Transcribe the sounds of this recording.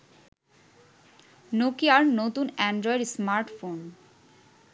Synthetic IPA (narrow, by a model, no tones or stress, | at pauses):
nokiaɾnot̪unɛɳɖɾɔeɖsmaɾʈfon